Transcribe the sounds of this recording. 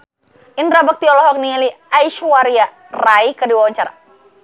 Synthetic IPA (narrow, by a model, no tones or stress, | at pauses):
inrabak̚t̪iɔlɔɦɔk̚nialiaiʃuwaɾia | raikərdiwawaɲt͡ʃaɾa̰